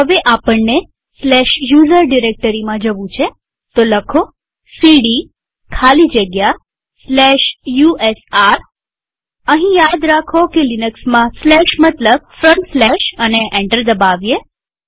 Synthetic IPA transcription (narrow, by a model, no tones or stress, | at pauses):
ɦəʋeʔapəɳːe | slɛʃjuzəɾɖiɾek̚ʈəɾimãd͡ʒəʋũt͡ʃʰe | t̪oləkʰo | siɽi | kʰalid͡ʒəɡja | slɛʃjuesaɾ | əɦĩjad̪ɾakʰokelinəksmãslɛʃmət̪ləb̚fɾə̃ɳslɛʃəneʔẽɳʈəɾd̪əbaʋje